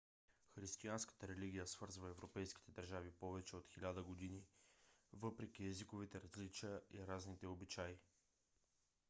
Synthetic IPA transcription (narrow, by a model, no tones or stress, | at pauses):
xɾist̪ianskə̥t̪əɾɛliɡʲijəsv̥ɤɾzvəɛvɾopɛjski̥t̪ɛd̪əɾʒavipɔvɛt͡ʃɛot̪xilʲad̪əɡod̪ini | vɤpɾɛk̟ʲiɛzikovit̪ɛɾɐzlit͡ʃijəʔḭɾaznit̪ɛobit͡ʃai